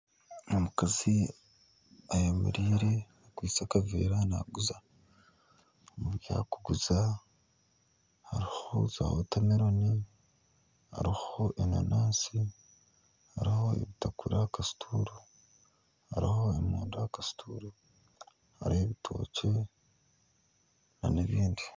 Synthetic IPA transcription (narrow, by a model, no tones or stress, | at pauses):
omukazi | ajamṵɾiːɾe | akwiːt͡sakavḭːɾana̰ɡuza | muβja̰ːkuɡuza | haɾiho̞za̰ːhotamiɾoni | ha̰ɾiho̞ʔeno̰naːnsi | haɾiho̞ḛβitakuɾakasi̥tʰuɾu | haɾiho̞emuːndajakastʰṵːɾu | ha̰ɾiheβitʰo̞ːce̞ | naneβiːndi